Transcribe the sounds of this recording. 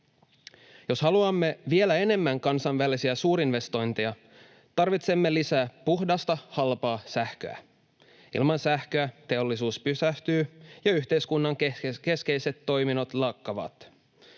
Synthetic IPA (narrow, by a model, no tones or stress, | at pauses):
jo̞shɑluɑmːe̞ʋie̞læe̞ne̞mːæŋkɑnsɑnʋælisiæsuːɾinʋe̞st̪o̞jnt̪iɑ | t̪ɑrʋit̪se̞mːe̞lisæːpuxdɑst̪ɑhɑlpɑːsæhkø̰æ̰ | ḭlmɑnsæhkøæt̪e̞o̞lːisuːspysæht̪yːjɑyçt̪e̞jskunːɑŋke̞ske̞jse̞t̪ːo̞jmino̞t̪lɑkːɑʋɑ̰t̪